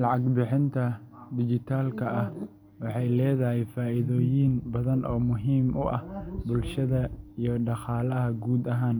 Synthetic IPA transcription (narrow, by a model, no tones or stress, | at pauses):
lɑʕɑɡbɪħɪnt̪ʰɐd̪ɪt͡ʃɪt̪ʰaːlkʰɐɐh | wɑħɑjlɛːðɐɦɛjfaːʔɪðɔːjinbɐðɐnʔɔːmʊɦiːmʔʊʔɐ̰hbʊlʃɐðɐijɞɖɑqɑːlɐɦɐɡuːd̪ɐɦaːn